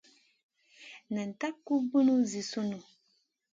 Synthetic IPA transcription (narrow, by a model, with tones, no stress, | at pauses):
nɨ̃˨n˨ta˦kːu˦bu˦nũ˦zi˨su˦nũ˨